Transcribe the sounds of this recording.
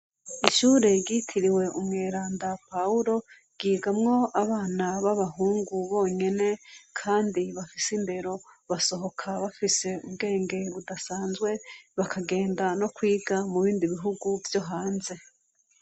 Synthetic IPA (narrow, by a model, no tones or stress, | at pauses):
iʃuːɾeɟitʰiɾiwe̞ʔumŋeːɾaːndapauɾo̞ | ɡ̥iːɡamŋo̞aβaːnaβaβaɦuːŋɡuβo̞ːɲe̞ne̞kʰaːndiβafisinde̞ɾo̞βaso̞ɦo̞kʰaβafise̞ub̚ɡe̞ːŋɡe̞βudasaːnzɡwe̞βakʰaɡe̞ːndano̞kwiːɡamuβiːndiβiɦuɡuvjo̞ɦaːnze̞